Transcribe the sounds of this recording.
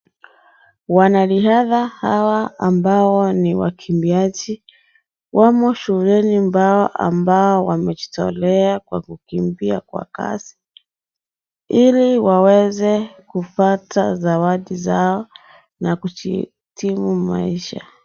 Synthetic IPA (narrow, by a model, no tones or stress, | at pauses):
wanaliɦaðahawaːmbaɔniwa̰kʰimbiad͡ʒi | wʔamɔʃuulɛnimbaɔʔa̰mbaɔwamɛʄi̥tɔ̰lɛakwa̰kukimbiakwa̰ka̰si̥ | iliwawɛzɛkupata̰zawaɗizaɔ | nakut͡ʃḭ | timuma̰iʃa